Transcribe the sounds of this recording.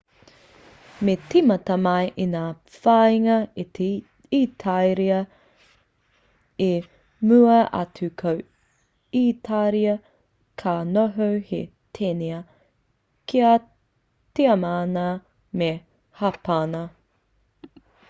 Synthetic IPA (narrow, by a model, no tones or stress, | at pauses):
metimɐtɐmɐjʔinaː | fajŋɐi | itʰajɾiɐ | e | mʉɐʔɐ̰tʰʉkʰɐw | itʰaɾiɐ | kʰanoɦowhḛ | tʰeneɐ | kʰia | teɐmaːna | me | hapanɐ